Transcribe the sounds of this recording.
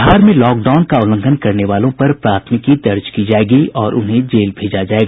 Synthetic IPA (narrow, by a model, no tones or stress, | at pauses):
ɦaːɾmẽlɔːk̚ɖaːʊnkaʊlə̃ŋɡʱənkɐɾneʋaːlõpɐɾpɾaːt̪ʰmɪkid̪ɐɾd͡ʒkid͡ʒaːeːɡiɔːɾʔʊ̰nɦẽd͡ʒeːlbʱeːd͡ʒad͡ʒaːeɡa